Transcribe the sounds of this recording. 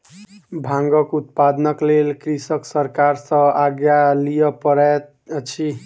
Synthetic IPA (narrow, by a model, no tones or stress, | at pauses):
bʱãŋɡʌkut̪̚pad̪nʌklelkrisʌksʌɾkaɾsʌ̃aɡjalijʌpʌɾat̪̚ | t͡sʰi